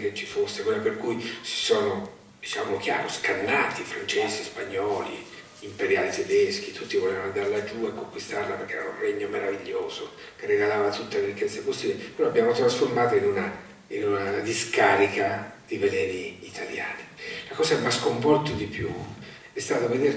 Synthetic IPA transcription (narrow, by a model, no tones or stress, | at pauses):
ket͡ʃːifosːekwelːaperkujsi̥sɔːno | d̪̥it͡ʃaːmok̟ja̰ːɾoskanːaːt̪ifɾant͡ʃeːsispaɲːɔːlḭ | impeɾjaːlit̪ed̪esk̟it̪ʰut̪ːivoleːvanand̪aɾlad͡ʒuekːoŋkwist̪arlaperkeɛ̰ɾaṵnreɲːomeɾaviʎːoːzo | kerːeɡalaːvat̪ut̪ːaleɾikːɛt̪sːapost̪iːlepeɾɔabːjaːmot̪ɾasformaːt̪oinuna | inunad̪iskaːɾikad̪̥ivelɛːniːt̪ʰalja̰ːnilakɔːsaɛmːaskoɱpɔrt̪od̪ipjṵ | ɛst̪aːt̪oved̪eɾ